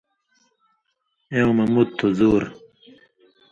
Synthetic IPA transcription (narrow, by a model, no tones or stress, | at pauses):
eõmɐmud̪̚t̪ʰːozuːɾ